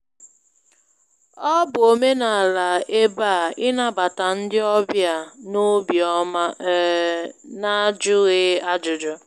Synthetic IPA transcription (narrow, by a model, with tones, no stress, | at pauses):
ɔ˦bʊ˨o˨me˦na˨a˨la˨ʔe˦ba˦˨ɪ˦na˦ba˨ta˨n̩˦dɪ˦ɔ˦bja˨no˦bjɔ˦ma˦ | na˦d͡ʒʊ˦ɣe˦a˦d͡ʒʊ˨d͡ʒʊ˦